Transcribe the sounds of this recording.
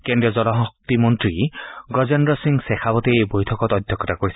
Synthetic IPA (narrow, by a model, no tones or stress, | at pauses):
kendɾiɔzɔlɔɦɔk̚t̪imɔnt̪ɾiɡɔzendɾɔsiŋsekʰabɔt̪ebojtʰɔkɔt̪ɔd̪ʱjɔkɔt̪akoɾisi